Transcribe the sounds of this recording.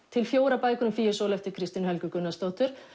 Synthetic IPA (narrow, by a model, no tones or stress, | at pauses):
t̪ʰɪlfjoːwɾapaːjkʏnʏmfiːɛsɔːlɛft̪ʏkʰɾɪst̪ɪnhɛlcʏkʏnːast̪owht̪ʏɾ̥